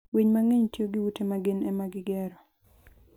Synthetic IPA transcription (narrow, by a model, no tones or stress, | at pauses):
wiɲmaŋeɲtjoɡɪwutemaɡɪnɛmaɡɪɡɛɾɔ